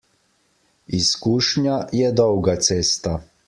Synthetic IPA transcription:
iskuːʃɲjajɛd̪ɔwɡat̪seːst̪a

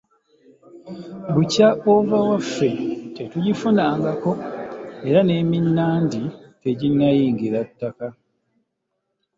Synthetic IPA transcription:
bucaʔovawafːe̞te̞tuɟifunaːŋɡako̞e̞ɾane̞ːminːaːndite̞ɟinːajiːŋɡiɾatːaka

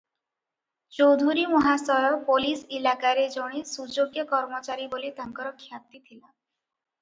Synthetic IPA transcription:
t͡ʃowd̪ʱuɾimɔɦasɔɾɔpolisilakaɾed͡ʒɔɽ̃isud͡ʒoɡjɔkɔɾmɔt͡ʃaɾibolit̪aŋkɔɾɔkʰjat̪it̪ʰila

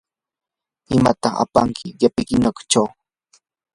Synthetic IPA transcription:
ɪmat̪ɑχa̰pa̰ŋkʰɪjapɪkɪnakʊ̥t͡ʃaw

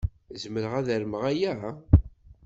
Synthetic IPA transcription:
zməɾəʁæðæɾməʁæjæ

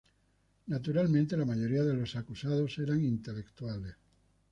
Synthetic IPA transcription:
nat̪̬uɾalmẽnt̪elamaʝoɾiaðelo̞sakusað̞oseɾaŋint̪elekt̪uales

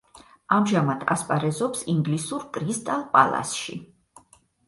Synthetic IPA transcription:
amʒamad̪̥ʰa̰spʼaɾɛzɔpsiŋɡlisuɾkʼɾist̪ʼalˠpʼalˠa̰sʃḭ

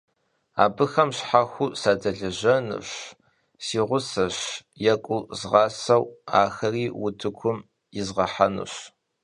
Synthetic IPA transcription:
a̰ːbɨxɐmɕħaxʷusaːdɐɮɐʑɐnɨ̰ɕ | siːʁʷʊsɐɕ | jɛkʷʼʊzʁɑːsɐwaːxɐriːwʊtʰɨkʷʰʊm | jɪzʁɐħanɨ̰ɕ

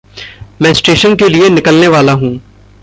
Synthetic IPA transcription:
mɛ̃ːsʈeːʃənkelienɪkəlneʋaːlaɦũː

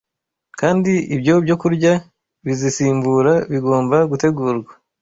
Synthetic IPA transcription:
kaːndiibjo̞bɟo̞kuɾɟa | βizisiːmbuɾaβiɡo̞ːmbaɡuteɡuːɾɡwa

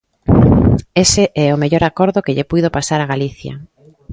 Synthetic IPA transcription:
eseʔɛʊmeʎoɾakoɾðʊkɪʎepujðopasaɾaɣaliθja̰

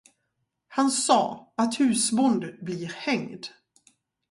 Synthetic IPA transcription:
hansɑ̰ːat̪hʉ̟ːsmɔnd̪əbliːɾhɛŋd̪

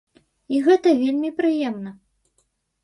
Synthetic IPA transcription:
iɣɛt̪ɐvʲelʲmʲipɾɨjɛmnɐ

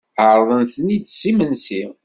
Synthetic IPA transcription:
əɾˤðˤənθənid̪simənsi

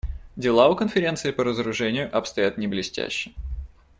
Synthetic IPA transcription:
dʲɪlˠaʊkənfʲɪɾʲe̞nt̪sɨɪpəɾəzəɾʊʐɛnʲɪjʊʔɐpst̪ɐjat̪nʲɪblʲɪsʲtʲæ̰ɕːɪ

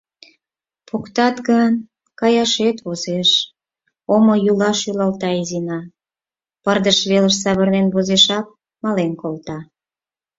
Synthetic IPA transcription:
pokt̪ɑt̪ɡən | kɑjɑʃet̪βozeʃ | omojulɑʃjylɑlt̪ɑizinɑ | pərd̪əʃβeləʃsɑβərnenβozeʃɑp̚ | mɑlenkolt̪ɑ

